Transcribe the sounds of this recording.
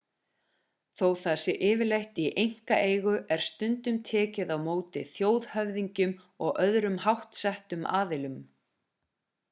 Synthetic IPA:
θowθasɪʔɪːvɪlejht̪iʔejŋ̥kaʔeːjɣʏʔɛɾ̥st̪ʏnt̪ʏmt̪ʰɛːcɪðawmoːwt̪ɪθjoːwðhœvðiɲcʏm | ɔɣʔœðɾʏmhawht̪sɛht̪ʏma̰ːðɪlʏm

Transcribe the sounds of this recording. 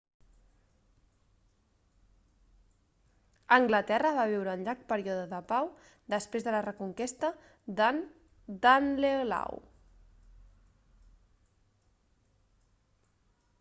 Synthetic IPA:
əŋɡlət̪ɛrəβaβ̞iwɾəːnʎak̚pəɾiɔðəðəpaw | d̪əspɾezðələrəkuŋkist̪ə | d̪anleola̰w

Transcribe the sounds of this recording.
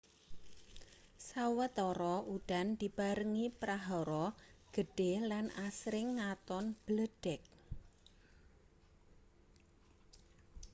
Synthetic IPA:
sawət̪ɔɾɔʔuɖ̥a̤nd̪̥i̤b̥aɾəŋipɾaɦɔɾɔɡ̥əɖ̥elanasɾɪŋːat̪ɔnb̥ləɖ̥ɛk̚

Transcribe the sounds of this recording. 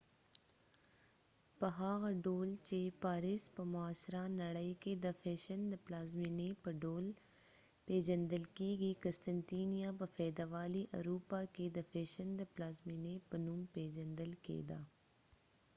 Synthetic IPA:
pɐɦaːɣɖoːlt͡ʃeːpaːɾɪspɐmʊaːsɾanɐɽəikeːd̪ɐfeːʃənd̪əplaːzmiːnepɐɖoːl | peːd͡ʒənd̪əlkiːɡiːkɐst̪ənt̪iːnijaːbɐfɛːd̪aʋaːliʔɐ̰ɾuːpaːked̪ɐfʰeːʃənd̪əplaːzmiːnepɐnumpeːd͡ʒənd̪əlkḛːd̪aː

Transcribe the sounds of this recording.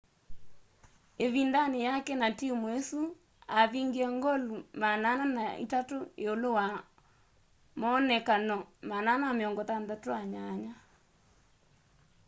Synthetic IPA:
eβindanejakɛnatimwesu | aðiŋɡiɛŋɡɔlumanananaḭtatoeolowa | mɔnɛkanɔmananameɔŋɡɔtandatoaɲaɲa

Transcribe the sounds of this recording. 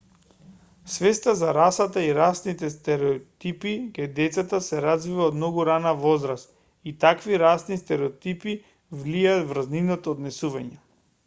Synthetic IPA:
svɛst̪azaɾasat̪aiɾasnit̪ɛst̪ɛɾɛɔt̪ipikad̪ɛt̪sat̪asɛɾazvivaod̪mnɔɡuɾanavɔzɾast̪ | it̪akviɾasnist̪ɛɾɛɔt̪ipi | vliaːt̪vɾazninɔt̪ɔːd̪nɛsuvaɲɛ

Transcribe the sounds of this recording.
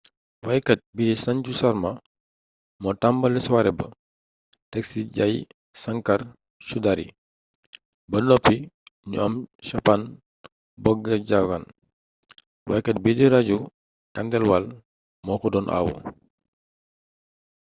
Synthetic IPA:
wɐjkɐt̚bidisɐɲcusɐɾmɐ | mɔtambɐlɛswaɾɛbɐ̰ | tɛksiɟɐj | sɐŋkɐr | ʃudaɾḭ | bɐnɔpːiɲṵɐmʃɐpan | bɔɡːɐɟakɐn | wɐjkɐt̚bidiɾɐɟu | kɐndɛlwɐl | mɔːkɔdɔːnʔa̰wṵ

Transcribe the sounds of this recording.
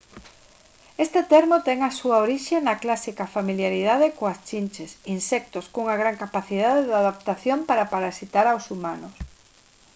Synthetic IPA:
est̪et̪ɛɾmot̪ɛŋasuaoɾiʃenaklasikafamiljaɾiðaðekoast͡ʃinʲt͡ʃesinsɛk̚t̪oskuŋaɣɾaŋkapaθið̞aðeðaðap̚t̪aθjompaɾapaɾasit̪aɾawsumanʊs

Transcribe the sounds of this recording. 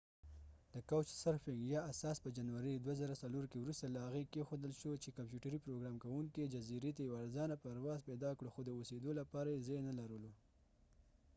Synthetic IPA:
d̪̥əkawt͡ʃsaɾfɪŋɡjɑasɑspəd͡ʒanwaɾid̪wazaɾasaloɾkewɾust̪alahaɣekexod̪əlʃot͡ʃekampjuʈaɾipɾoɡɾɑmkawuŋkid͡ʒaziɾet̪ajawaɾzɑnapaɾwɑzpɛd̪ɑkɽoxod̪əosed̪olapɑɾajezenalaɾəlo

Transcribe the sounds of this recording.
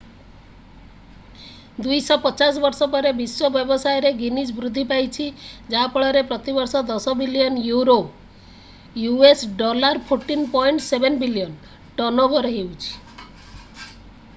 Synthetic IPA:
d̪ujsɔpɔt͡ʃas̬ɔbɔɾsɔpɔɾebiswɔbjɔbɔsajɔɾeɡinisbɾud̪ʱːipajt͡ʃʰid͡ʒapɔɭɔɾepɾɔt̪ibɔɾsɔd̪ɔsɔbilijɔnjuɾo | juesɖɔlaɾpʰoɾʈinpɔjɳʈsebʱenbilijɔn | ʈɔnɔbʱɔɾɔɦewt͡ʃʰi̥

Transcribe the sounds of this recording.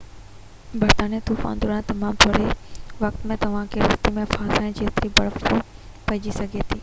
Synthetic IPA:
bɐɾt̪aːnijat̪uːfa̰ːnd̪oɾãt̪ɐmãːmt̪ʰoːɽeʋɐk̚t̪mẽt̪ɐʋ̤ãkʰeɾɐst̪imẽfaːsãːɪ̃d͡ʑeːt̪ɾibɐɽəfo | pɐɪ̃d͡ʑisɐɡʱet̪ʰiː

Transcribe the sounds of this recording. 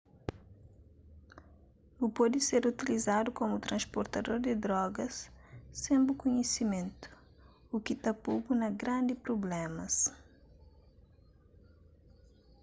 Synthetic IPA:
upɔd̪ɪseɾut̪ilizad̪ukomut̪ɾɐ̃nspoɾt̪ɐd̪oɾd̪ɪd̪ɾɔɡɐsː | ẽmbukuɲesimẽnt̪u̥ | ukit̪ɐpubunɐɡɾãnd̪ipɾoblɛmɐs

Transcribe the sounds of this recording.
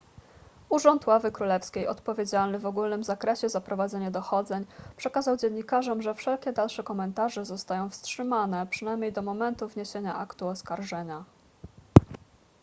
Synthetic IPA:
uʐɔnt̪wavɘkɾulɛfskʲejɔt̪pɔvʲjed͡ʑalnɘvɔɡulnɘmzakɾɛɕɛzapɾɔvad̪zɛɲad̪ɔxɔd̪zɛɲpʂɛkazawd͡ʑɛɲːikaʐɔmʐɛfʂɛlkʲɛd̪alʂɛkɔmɛnt̪aʐɛzɔst̪ajɔ̃w̃fstʂɘmanɛpʂɘnajmɲejd̪ɔmɔmɛnt̪uvɲeɕeɲaʔakt̪uɔskaɾʐɛɲa

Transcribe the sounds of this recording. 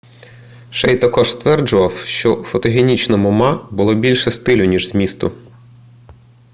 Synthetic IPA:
ʃɛjt̪ɐkɔʒst̪ʋɛrd͡ʒʊʋɐwʃt͡ʃɔufɔt̪ɔɦʲenʲit͡ʃnɔmʊmɑbʊlˠɔbʲilʲʃɛst̪ɪlʲʊnʲiʒzmʲist̪ʊ̰

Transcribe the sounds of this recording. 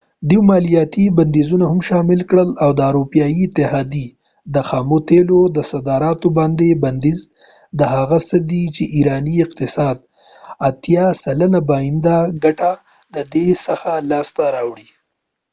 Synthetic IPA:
d̪iwmɑlijɑt̪iband̪izunahʊmʃɑmɪlkɽəlawd̪əaɾopjɑjiɪt̪ɪhɑd̪i | d̪əxɑmot̪elod̪əsad̪ɑɾɑt̪obɑnd̪eband̪iz | d̪əhaɣasəd̪it͡ʃeʔiɾɑniɪqt̪ɪsɑd̪ | at̪jɑsalənabɑjɪnd̪aɡaʈa | d̪əd̪esəxalɑst̪aɾɑwɽi

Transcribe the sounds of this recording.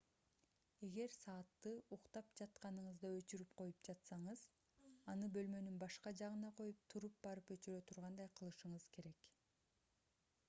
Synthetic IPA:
e̞ɡe̞ɾsɑːt̪ːɯuqt̪ɑpd͡ʒɑt̪qɑnɯɴɯzd̪ɑø̞t͡ʃyɾypqʰo̞jupd͡ʒɑt̪sɑɴɯz̥ | ɑnɯbø̞lmø̞nynbɑʃqɑd͡ʒɑʁɯnɑqʰo̞jup̚t̪ʰuɾup̚bɑɾɯpø̞t͡ʃyɾø̞t̪ʰuɾʁɑnd̪ɑjqʰɯlˠɯʃɯɴɯzkʰe̞ɾe̞k

